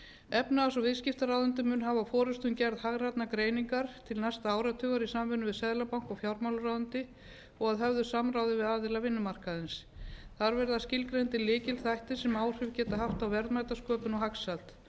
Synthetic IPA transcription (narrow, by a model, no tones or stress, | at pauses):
ɛpnaːsɔvɪðscɪft̪aɾawðʏnt̪ʏmːʏnɦavafɔːɾʏst̪ʏmcɛɾðhaɣrat̪nakɾeːjniŋkaɾ̥t̪ʰɪlnajst̪aaːwɾat̪ʰʏːɣaɾisamvʏnʏvɪðsɛðlapawŋkɔɣfjawɾmawlʏɾawðʏnt̪ɪ | ɔɣaðɦœvðʏsamrawðɪvɪðaːðɪlavɪnːʏmar̥kaðɪns | θaɾvɛɾðascɪlkɾejnt̪ɪlɪːcɪlθajht̪ɪ̥sɛmaːwr̥ʏvcɛːt̪aɦaft̪awvɛɾðmajt̪askœːpʏnɔɦaksat̪